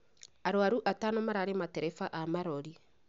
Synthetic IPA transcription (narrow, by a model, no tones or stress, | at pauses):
aɾwaɾuʔatanomaɾaɾemateɾɛfaʔamaɾoɾi